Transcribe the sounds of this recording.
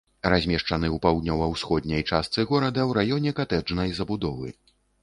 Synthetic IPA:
razʲmʲɛʂt͡ʂɐnɨwpawd̪ʲnʲɔvɐwsxɔd̪nʲɐjt͡ʂast̪sɨɣɔɾɐd̪ɐwɾajɔnʲɛkat̪ɛd͡ʐnɐjzɐbud̪ɔvɨ̰

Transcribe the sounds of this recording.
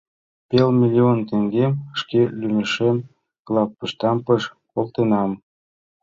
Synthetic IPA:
pelmʲilʲiont̪eŋɡemʃkelymeʃem | klˠɑppəʃt̪ɑmpəʃkolt̪enɑm

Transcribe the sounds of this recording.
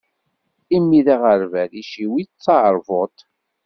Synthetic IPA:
imːiðiʁəɾvæðiʃiwit͡sːɑɾˤvot̪

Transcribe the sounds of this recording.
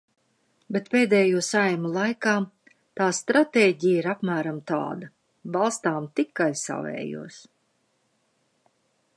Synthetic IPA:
bet̪peːd̪ɛːjuɔsajmulˠajkaː | t̪aːst̪ɾat̪eːɟijiɾapmæːɾamt̪a̰ːd̪a | balˠst̪aːmt̪ikajsa̰vɛ̰ːjṵɔs

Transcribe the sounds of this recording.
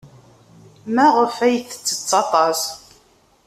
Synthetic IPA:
mæʁəfæjəθə̥t͡sːə̥t͡sːɑt̪ˤɑs

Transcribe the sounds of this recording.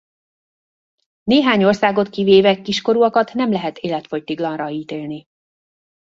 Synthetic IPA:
neːɦaːɲo̞rsaːɡo̞t̪kiveːvɛkːiʃko̞ɾuɒkɒt̪nɛmlɛɦɛt̪eːlɛt̪fo̞ct̪iɡlɒnrɒiːt̪eːlni

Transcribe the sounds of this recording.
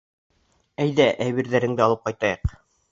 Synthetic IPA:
æjðæʔæβiɾðæɾɘ̆ŋd̪ɘɑlˠɤp̚qɑjt̪ɑjɤq

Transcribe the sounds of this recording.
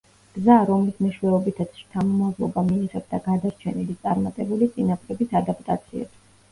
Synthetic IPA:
ɡ̥zaɾɔmlismɛʃwɛɔbit̪ʰat̪sʰt̪ʰamɔmazlˠɔ̰bamiɛʁɛbd̪aɡad̪aɾt͡ʃʰɛnilit̪sʼaɾmat̪ʼɛbulit̪sʼinapʰʼɾɛbisad̪apʼt̪ʼa̰t̪sʰiɛ̰t̪ʰi̥

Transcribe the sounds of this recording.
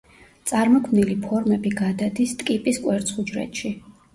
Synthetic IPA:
t̪sʼaɾmɔkʰmnilipʰɔɾmɛbiɡad̪ad̪ist̪ʼkʼipʼiskʼwɛɾt̪sʰχud͡ʒɾɛ̰t̪ʃi

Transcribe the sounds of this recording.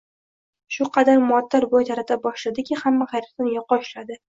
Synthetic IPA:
ʃʊqʰɑd̪aɾmʊat̪ʰːaɾbojt̪ʰaɾat̪ʰabɒʃlad̪ɪkʲʰɪhamːaχajɾɪt̪anjɒqʰːɒʃlad̪ɪ

